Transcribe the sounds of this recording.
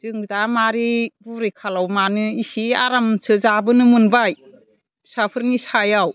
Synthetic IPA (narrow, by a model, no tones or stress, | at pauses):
z̥ɯŋdamaɾibuɾekʰalawmanɯisiaɾamsɯzabɯnɯmɯnbaj | sapʰɯɾnisajaw